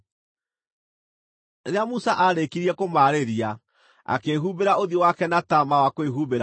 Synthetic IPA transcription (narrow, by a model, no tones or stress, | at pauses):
ɾeamusaʔaɾekiɾiɛkomaɾeɾia | a̰keɦubeɾaoðiowakɛnatamawakweɦubeɾa